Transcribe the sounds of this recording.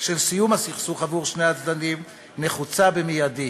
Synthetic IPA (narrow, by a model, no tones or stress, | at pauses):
ʃe̞lsijumhasiχsuχavuʁʃnejat͡sd̪anim | neχut͡sabemijadi